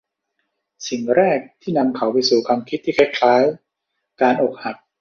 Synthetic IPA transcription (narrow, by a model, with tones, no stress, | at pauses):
si˨˩ŋɾɛː˥˩k̚t̪ʰiː˥˩na˧mkʰa˩˥wpa˧jsuː˨˩kʰwaː˧mkʰi˦˥t̪ʰːiː˥˩kʰɛ˦˥kʰlaː˦˥j | kaː˧nʔo˨˩k̚ha˨˩k̚